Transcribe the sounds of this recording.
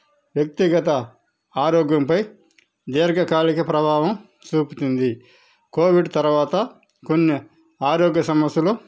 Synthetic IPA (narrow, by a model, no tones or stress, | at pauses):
ʋjɐk̚t̪iɡɐt̪ɐ | aːɾoːɡjɐmpɐj | d̪eːɾɡɐkaːlikɐpɾɐbʱaːʋɐm | t͡ʃuːput̪und̪i | koːʋiɖt̪ɐɾʋaːt̪ɐ | ko̞nːi | aːɾoːɡjɐsɐmɐsjɐlo